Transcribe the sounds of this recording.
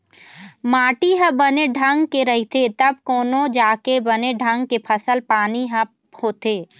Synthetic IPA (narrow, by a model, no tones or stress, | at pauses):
maːʈiɦə̃bəneɖʱɐ̃ŋɡkeɾɐɦit̪ʰet̪ɐb̚koːnõd͡ʒaːkebɐneɖʱɐ̃ŋɡkepʰɐsəlpaːniɦə̃ | hoːt̪eː